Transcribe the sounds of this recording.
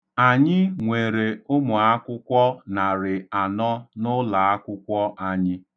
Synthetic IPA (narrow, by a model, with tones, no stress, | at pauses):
a˨ɲɪ˦ŋʷe˨ɾe˨ʊ˦mʊ˨a˦kʷʊ˦kʷɔ˦na˨ɾɪ˨a˨nɔ˦nʊ˦la˨a˦kʷʊ˦kʷɔ˦ʔa˦ɲɪ˦